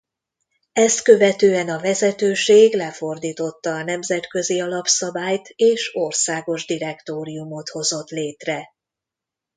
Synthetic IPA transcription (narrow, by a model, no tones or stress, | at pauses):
ɛst̪kø̞vɛt̪øːɛnɒvɛzɛt̪øːʃeːɡlɛfo̞rd̪iːt̪o̞t̪ːɒːnɛmzɛt̪kø̞ziɒlɒpsɒbaːjt̪eːʃorsaːɡo̞ʒd̪iɾɛkt̪oːɾijumot̪ho̞zo̞t̪leːt̪rɛ